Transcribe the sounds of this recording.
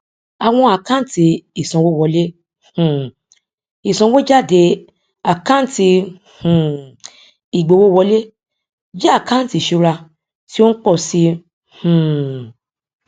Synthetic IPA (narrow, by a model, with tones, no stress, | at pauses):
a˨w̃ɔ̃˧a˨kã˦n̩˦ti˧i˨sɔ̃˨wo˦˨wɔ˧le˦ | h̩˨ | i˨sɔ̃˧wo˦d͡ʒa˦˨de˧ | a˨kã˦n̩˦ti˧ | h̩˨ | i˨ɡ͡bo˨˧˨wo˦wɔ˧˦le˦ | d͡ʒa˦a˦˨kã˦n̩˦ti˨˧˨ʃu˨˧˦ɾa˧ | ti˦o˦n̩˦k͡pɔ˦˨si˧ | hũ˨